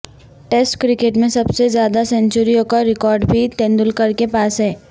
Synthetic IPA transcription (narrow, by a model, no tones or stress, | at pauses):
ʈeːsʈkɾɪkeʈmẽsɐbsezjaːd̪asɛ̃nt͡ʃʊɾijõkaɾɪkɔːɾɖbʱit̪ẽːnd̪ʊlkɐɾkepaːsɦɛː